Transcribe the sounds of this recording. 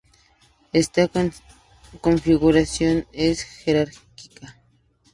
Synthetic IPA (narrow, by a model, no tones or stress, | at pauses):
est̪akan | konfɪɡʊɾasjonesxeɾaɾkɪka